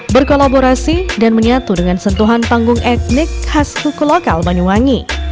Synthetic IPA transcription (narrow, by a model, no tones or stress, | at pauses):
bərkolaboɾasidanməɲat̪udəŋansənt̪uɦanpaŋɡʊŋʔɛt̪̚nɪk̚haskukuloka̰lbaɲuwaŋi